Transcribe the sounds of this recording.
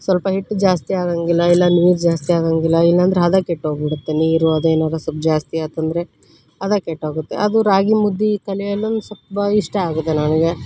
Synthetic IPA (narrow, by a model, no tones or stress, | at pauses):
sʋɐlpɐɦiʈːd͡ʒaːst̪iaːd̪aːŋɡilːɐilːɐnʋiːɾd͡ʒaːst̪iaːd̪aːŋɡilːɐilːɐːnd̪ɾeɐd̪ɐkeʈːɦoːɡbiɽut̪ːeniːɾuɐd̪ueːnaːd̪ɐsub̚d͡ʒaːst̪iaːt̪ɐnd̪ɐɾe̞ | ɐd̪akeʈːaːɡut̪ːe̞̰ʔɐd̪uɾaːɡimud̪ːikɐliɐlːɐnsɐpɐiʂʈɐaːɡut̪ːenaːniɡe